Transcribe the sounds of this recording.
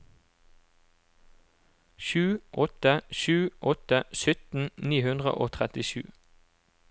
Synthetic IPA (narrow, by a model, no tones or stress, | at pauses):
ʃʉːʔɔt̪əʃʉːʔɔt̪əsʏt̪n̩niːhʉnd̪ʁə̰ʔoːt̪ʰʁɛt̪ɪʃʉ̰ː